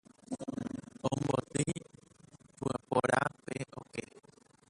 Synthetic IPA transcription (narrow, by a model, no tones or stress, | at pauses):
õmbbot̪ɨ | puapoɾʔapeʔoke